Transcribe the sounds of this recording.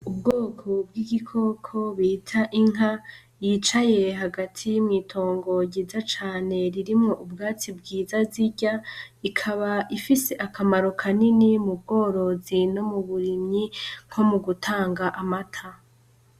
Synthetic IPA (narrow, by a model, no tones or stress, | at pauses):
ub̚ɡo̞ːkʰo̞b̚ɡiɡikʰo̞kʰo̞βiːtʰaʔiŋɦa | jiːt͡ʃaje̞ɦaɡatʰijimŋiːtʰo̞ːŋɡo̞ɟiːzat͡ʃaːne̞ɾiɾimŋo̞ʔubɡaːt͡sibɡiːzaziɟa | ikʰaβaʔifise̞ʔakʰamaɾo̞kʰaninimub̚ɡo̞ːɾo̞zino̞muβuɾimɲiŋ̥hʰo̞muɡutʰaːŋɡaʔamatʰa